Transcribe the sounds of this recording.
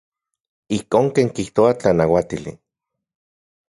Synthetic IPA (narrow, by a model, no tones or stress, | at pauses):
ihkoːŋkeːŋkiht̪oat͡ɬanawat̪ilḭ